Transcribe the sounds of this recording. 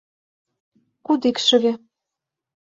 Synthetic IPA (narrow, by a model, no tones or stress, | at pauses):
kud̪ikʃə̆ɣĕ